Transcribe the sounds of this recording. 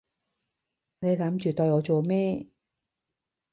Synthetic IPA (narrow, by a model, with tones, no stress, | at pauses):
ne˨˧jlaː˨˥mt͡ʃyː˨t̪ɔː˧jɔː˨˧t͡soː˨˩meː˥